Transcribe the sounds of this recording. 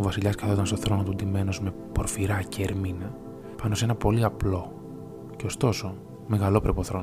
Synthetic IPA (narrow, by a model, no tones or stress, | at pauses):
ovɐsiʎɐskɐθot̪ɐnst̪oθɾo̞not̪ud̪ime̞no̞zme̞ | po̞ɾfiɾɐceːɾminɐ | pɐno̞se̞nɐpo̞liɐplo̞ | ce̞ost̪o̞so̞ | me̞ɣɐlo̞pɾepoθɾo̞n